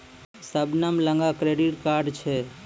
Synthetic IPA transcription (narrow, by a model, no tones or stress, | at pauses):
səbnəmləŋɡakɾeɖiʈkaɾɖt͡ʃʰɛ